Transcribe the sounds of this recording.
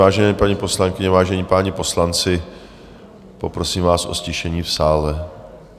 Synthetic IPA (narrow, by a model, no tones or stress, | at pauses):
aːʒɛnɛːpaɲiːpo̞slaŋkɪɲɛvaːʒɛɲipaɲɪpo̞slant͡sɪ | po̞pɾo̞siːmvaːsʔo̞̰scɪʃɛɲiːfsaːlɛ